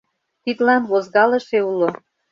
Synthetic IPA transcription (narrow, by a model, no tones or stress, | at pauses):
t̪id̪lɑnβozɣɑlə̆ʃeulo